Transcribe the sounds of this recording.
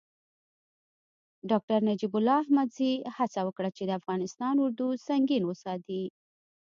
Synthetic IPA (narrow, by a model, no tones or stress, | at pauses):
ɖɑk̚ʈaɾnad͡ʒibʊlːɑahmad̪zihat͡sawəkɽat͡ʃed̪əafɣɑnɪst̪ɑnʊɾd̪usaŋɡinwəsɑt̪i